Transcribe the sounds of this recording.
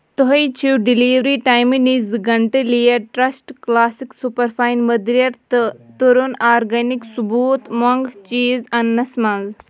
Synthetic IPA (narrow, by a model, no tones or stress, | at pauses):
t̪oɦɐjt͡ʃʰiwɖiliːʋɾiːʈaːjminizɡɐɳʈelijɐʈɾɐsʈklaːsiksupɐɾpʰaːjnmɐd̪ɾijɐɾt̪t̪uɾunaːɾɡɐniksubuːt̪moŋɡt͡ʃiːzɐnːɐsmɐnz